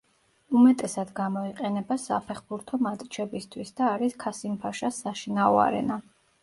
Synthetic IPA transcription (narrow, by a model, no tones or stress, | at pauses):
umɛt̪ʼɛsad̪ɡamɔiqʼɛnɛbasa̰pʰɛχbuɾt̪ʰɔmat̪ʼt͡ʃʰɛbist̪ʰwisd̪aːɾiskʰasimpʰaʃasaʃinaɔa̰ɾɛ̰na